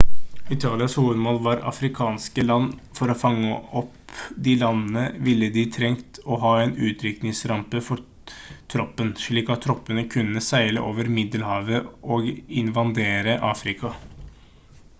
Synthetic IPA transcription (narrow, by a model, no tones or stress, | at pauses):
ɪt̪ʰɑːlɪɑshuːʋəd̪mɔːlʋɑɾɑ̰fɾɪkʰɑːnskəlɑnːfɔɾɔfɑŋːəʔɔpd̪ɪlɑnən̩əʋɪlːəd̪ɪt̪ʰɾɛŋt̪ɔɦɑːɛːnʉːt̪ɾʏknɪŋsɾɑmpəfɔɾ | t̪ʰɾɔpːənʂɭiːkɑt̪ʰːɾɔpːənəkʰʉnːəsæɪlə̰ʔoːʋəɾmɪd̪əlhɑːʋəʔɔɡɪnʋɑnd̪eːɾəʔɑːfɾɪkʰɑ